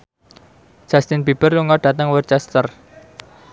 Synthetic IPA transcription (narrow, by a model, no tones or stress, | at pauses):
d͡ʒ̥ast̪ɪnb̥ib̥ərluŋɔɖ̥ä̤t̪əŋwərt͡ʃɛst̪ər